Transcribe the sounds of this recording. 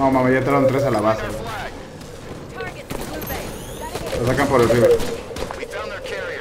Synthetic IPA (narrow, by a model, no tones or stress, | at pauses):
omamajat̪ɾaont̪ɾes̬alaβasa | las̬akampoɾelriβe